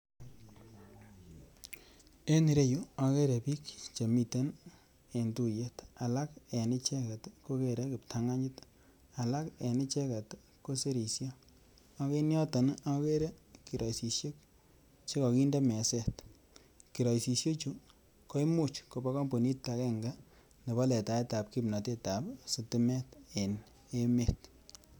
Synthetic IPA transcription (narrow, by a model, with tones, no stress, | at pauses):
e˦ni˨ɾe˦ju˦a˨ke˦ɾe˨pi˦kt͡ʃe˨mi˨te˦n | e˨ntu˦je˦ta˨la˦ke˨nɪ˦t͡ʃe˦ka˨tko˦ke˨ɾe˦kɪ˨p̚tʰa˦ŋa˦ɲɪ˦t | a˨la˦ke˨nɪ˦t͡ʃɛ˦ka˨t | ko˦se˦ɾi˨sjɔ˦ | a˦ke˦njɔ˦ta˨nake˦ɾe˦ki˨ɾɔ˨si˨sje˦k̚ | t͡ʃe˦kɔ˨ki˦nda˦mɛ˨sɛ˦˨t | ki˨ɾɔ˨isi˨sjo˦t͡ʃu˦ | ko˦i˦mu˦t͡ʃko˨ba˦kɔ˦mpo˨ni˦tːa˨kɛ˦ŋɡa˦ | ne˨ba˦lɛ˨ta˨e˦ta˨p̚ki˦pna˨te˦ta˨psɪ˨tɪ˦mɛ˦te˨n | e˦me˦t